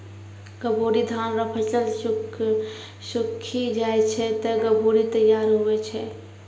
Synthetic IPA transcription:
ɡ̥əboːɾid̪ʱaːnɾɐpʰət͡ʃəl | ʃʊkʰid͡ʒaːet͡ʃʰɛt̪ɐɡəboːɾit̪əjːaːɾɦoʋet͡ʃʰɛ

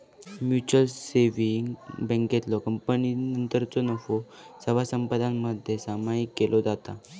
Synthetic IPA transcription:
mjut͡ɕəlseʋiŋɡbə̃ŋket̪lɔkəmpəninənt̪əɾt͡sɔnəfo | səʋasəmpad̪ʱãmmːəd̪ʱjesamaikːelʔod͡zat̪a

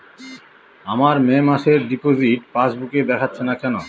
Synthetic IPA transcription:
amaɾmemaʃeɾɖipod͡ʑiʈpat͡ɕbukeb̪ɛkʰatːɕʰenakɛno

